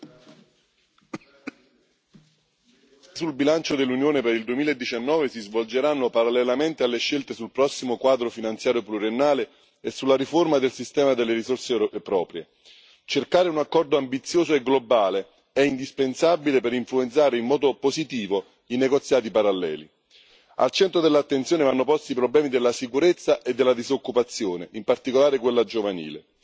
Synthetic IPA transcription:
sulbilant͡ʃod̪elːunjoːnepeɾild̪uemiːlaed̪ːit͡ʃanːɔːvesizvold͡ʒeɾanːopaɾalːɛlament̪ealːeʃːelt̪esulpɾɔsːimokwaːd̪ɾofinant̪sjaːɾjopluɾenːaːle | esːulːaɾiformad̪elsist̪ɛːmad̪elːeɾisorsepɾɔːpɾje | t͡ʃerkaːɾeunakːɔrd̪oambit̪sːjoːzoeɡlobaːle | ɛind̪ispensabilepeɾiɱfluent̪saːɾeinmːɔːd̪opozit̪iːvo | ineɡot̪sːjaːt̪̬ipaɾalːɛ̰ːli | a̰lt͡ʃɛnt̪ɾod̪elːat̪ːent̪sjoːnevanːopɔst̪iːpɾoblɛːmid̪elːasikuɾet̪sːaʔed̪ːelːad̪izokːupat̪sːjoːneʔimpart̪ikolaːɾek̬welːad͡ʒovanḭːlḛ

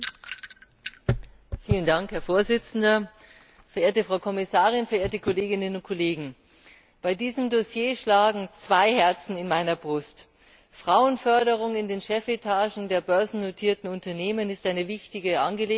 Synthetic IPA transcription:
fiːləndaŋkhɛɐfoːɐzɪt͡sn̩dɐ | fɛɐʔeːɐtəfʁaʊkʰɔmɪsaːʁ̞ɪnfɛɐʔeːɐtəkʰoleːɡɪnənʊnt̚kʰoleːɡŋ̩ | b̥aɪdiːzəmdosjeːʃlaːɡŋ̩t͡sv̥aɪhɛɐt͡sn̩ɪnmaɪnɐbʁʊst | fʁ̥aʊənfœɐɾəʁ̞ʊŋɪndeːnʃɛfetʰaːʒn̩deːɐbœɐzn̩notʰiːɐtn̩ʊntɐneːmənɪstʔaɪnəvɪçtɪɡəʔa̰nɡəleː

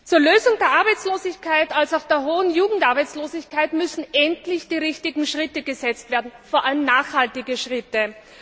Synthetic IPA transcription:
t͡suːɐløːzʊŋdeːɐʔaɐbaɪt͡sloːzɪçkʰaɪtalsaʊxd̥eːɐɦoːənjuːɡŋ̩tʔaɐbaɪt͡sloːzɪçkʰaɪtmʏsn̩ʔɛntlɪçd̥iːʁɪçtɪɡŋ̩ʃʁ̥ɪtəɡ̥əzɛt͡stv̥eːɐdn̩foːɐʔaləmnaːxhaltɪɡəʃʁɪtə

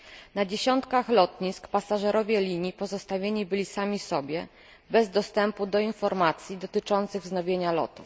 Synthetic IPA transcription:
nad͡ʑeɕɔnt̪kaxlɔt̪ɲiskpasaʐɛɾɔvʲjɛlʲiɲjipɔzɔst̪avʲjeɲibɘlʲisamʲisɔbʲjɛ | bɛzd̪ɔst̪ɛmpud̪ɔinfɔɾmat̪sʲjid̪ɔt̪ɘt͡ʂɔnt̪sɘɣznɔvʲjeɲalɔ̰t̪uf

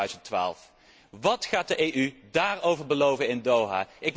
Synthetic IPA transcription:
ɥzəntʋa̰ːlˠf | ʋɑtχaːt̚dəʔejʔydaːɹowvəɹbəlowvənɪndowɦa̰ːʔɪk

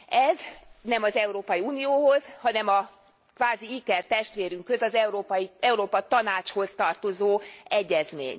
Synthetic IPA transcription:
ɛznɛmɒzɛuɾoːpɒjiuːnijoːɦo̞zhɒnɛmɒ | kʋaːziikɛrt̪ɛʃt̪ʋeːɾyŋkhø̞zɒzɛuɾoːpɒiɛuɾoːpɒt̪ɒnaːt͡ʃho̞zt̪ɒrt̪o̞zoːɛɟːɛzmḛːɲ

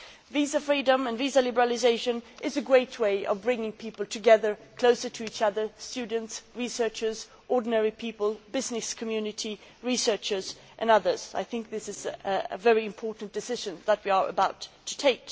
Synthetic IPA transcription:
vizəfɹidə̃mɨ̃nvizəlɪbə˞l̩ˠɨzeɪʃɨ̃nʔɨzɨɡɹeɪt̚ʰweɪʔʌ̰vbɹɪ̃ŋɪ̃ŋpʰipl̩ˠtʰɨɡɛðə˞kʰl̥oʊsə˞ɾʰɨit͡ʃʌðə˞stʉdⁿn̩tsɹisɜ˞t͡ʃə˞z | ʔɔɹdⁿn̩ɛɹipʰipəl̩ˠbɪznɨskʰɨmjʉnɨɾiɹisɜ˞t͡ʃə˞z | ʔɨ̰̃nʌðə˞z̥a̰ɪθɪ̃ŋk̚ðɪsɨzə̰vɛɹiɨ̃mpʰɔɹʔn̩d̥ɨsɪʒɨ̃nðət̚wiə˞ə̰baʊtʰɨ̥tʰeɪk

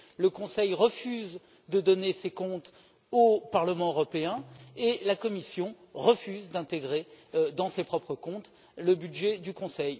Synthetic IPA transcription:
ləkɔ̃sɛjʁəfyz | d̪əd̪ɔnesekɔ̃t̪ | opaʁləmɑ̃øʁɔpeɛ̃elakɔmisjɔ̃ | ʁəfyzd̪ɛ̃t̪eɡʁed̪ɑ̃sepχɔpχəkɔ̃t̪ | ləbyd̪ʒɛd̪ykɔ̃sɛj

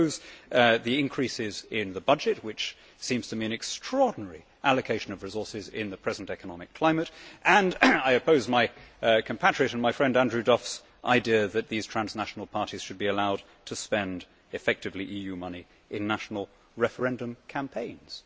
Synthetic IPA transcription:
ʊzðiɪ̃nkʰɹ̥isɪzɪ̃nðəbʌd͡ʒɨt̚wɨt͡ʃ | sĩmz̥tʰɨmiɨ̃nɨkstʰɹ̥ɔɹdⁿn̩ɛɹi | ʔælɨkʰeɪʃɨ̃nʌvɹɨzɔɹsɪzɪ̰̃nðɨpʰɹ̥ɛzn̩tɛkənɑmɨkʰl̥ãɪmɨtʔɨ̃naɪɨpʰoʊzmaɪkʰɨ̃m̩pʰæt͡ʃɹ̥ɨɾɨ̃nmaɪfɹɛ̃ndæ̃ndɹʉdɔfs | ʔa̰ɪdiəðɨt̪̚ðiz̥tʰɹ̥æ̃nznæʃn̩l̩ˠpʰɑɹɾiz̥ʃɨd̚biɨlaʊd̚ | tʰɨspɛ̃nd | ɨfɛk̚tɨvliʔijʉmʌni | ʔɨ̃nːæʃn̩l̩ˠ | ɹɛfə˞ɛ̃ndɨ̃mkʰæ̃mpʰẽɪ̃nz̥

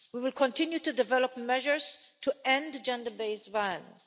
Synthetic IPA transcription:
wiwɪlkʰɔ̃ntɪ̃njutudɪvɛlɔpmɛʒəɹz̥ | tʰuɛ̃ndd͡ʒɛ̃ndəbeɪsdvaɪələ̰̃ns

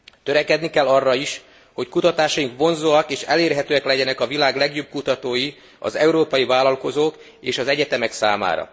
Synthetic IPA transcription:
t̪øɾɛkɛd̪nikɛlːɒrːɒiʃ | ho̞ckut̪ɒt̪aːʃɒjiŋkʋo̞nzoːɒkeːʃɛleːrɦɛt̪øːɛklɛɟɛnɛkɒvilaːɡlɛɡjoːb̚kut̪ɒt̪oːji | ɒ̰zɛuɾoːpɒjivaːlɒlko̞zoːk | eːʃɒzɛɟɛt̪ɛmɛksaːma̰ːɾɒ̰

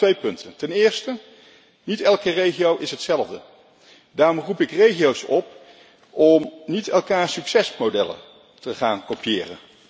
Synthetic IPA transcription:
tʋejpɵntəntɛnɪːɹstə | nitɛlˠkərejχiowʔɪsɦətsɛlˠəvdə | daːɹrɔmrupɪkrejχijowsɔp | ʔɔmnitɛlˠkaːɹsyksɛsmodɛ̰lə̰ | təχa̰ːnkopjɪ̰ːrə̰n

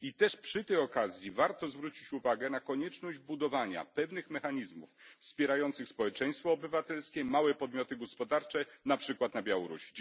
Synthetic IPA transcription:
it̪ɛʂpʂɘt̪ɛjɔkazʲjivaɾt̪ɔzvɾut͡ɕit͡ɕuvaɡɛnakɔɲɛt͡ʂnɔʑd͡ʑbud̪ɔvaɲa̰pɛvnɘxmɛxaɲizmuffspʲjɛɾajɔnt̪sɘxspɔwɛt͡ʂɛj̃st̪fɔːbɘvat̪ɛlskʲɛmawɛpɔd̪mʲjɔt̪ɘɡɔspɔd̪aɾt͡ʂɛnapʂɘkwat̪nabʲjawɔɾṵɕi̥

